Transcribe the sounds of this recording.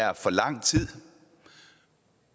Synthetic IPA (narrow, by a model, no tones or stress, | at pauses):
æɐfɒ̽lɑ̈ŋ̰t͡sʰið̰ˠ